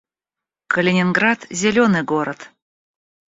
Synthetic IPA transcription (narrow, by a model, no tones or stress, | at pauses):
kʰəlʲenʲɪnɡrɑt̪zʲelʲonɨɡoɾət̪